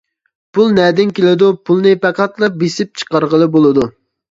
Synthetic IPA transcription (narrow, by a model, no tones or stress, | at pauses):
pʰulˠnɛd̪ɪnkʲelɪd̪upʰulˠnɨpɛqʰɑt̪lˠɨp̚besɪp̚t͡ʃʰə̥qɑɾʁəlˠɨbolˠɨd̪u